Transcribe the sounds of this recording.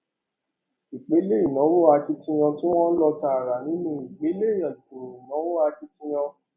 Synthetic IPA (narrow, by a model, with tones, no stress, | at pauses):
i˨k͡pe˨˦le˦i˦˨nɔ̃˨˦wo˦a˧ki˦tĩ˦j̃ã˧tũ˦w̃ɔ̃˦n̩˦lɔ˧ta˧˦a˨ɾa˨nĩ˨˦nũ˦˨i˨k͡pe˨˦le˦i˦˨jã˨to˨ɾi˨nɔ̃˨˦wo˦a˧ki˦tĩ˦j̃ã˧